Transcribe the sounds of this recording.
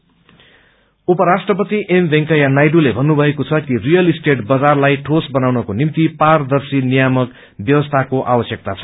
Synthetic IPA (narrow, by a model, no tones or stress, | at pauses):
upʌɾasʈrʌpʌt̪iʔembʱẽŋkʌjanajɖulebʱʌnːubʱʌekot͡sʰʌkirijʌlisʈeʈbʌd͡zarlajʈʰosbʌnawnʌkonimt̪ipard̪ʌrsinijamʌk | bjʌwʌst̪ʰakoʔabʌsjʌk̚t̪at͡sʰʌ̥